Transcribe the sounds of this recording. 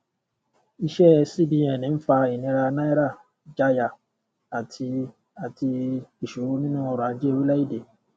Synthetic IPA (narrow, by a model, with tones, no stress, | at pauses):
i˧ʃɛ˦˧si˦˨bi˨˧˦ɛ˦˨nĩ˨˦fa˧i˨nĩ˧ɾa˧nã˦i˦ɾa˦˨ | d͡ʒa˧ja˨ | a˨tʰi˧ | a˨ti˧i˨ʃu˨ɾo˧˦nĩ˦nũ˦ɔ˧ɾa˨˦d͡ʒe˦˧wi˦la˦i˦˨de˨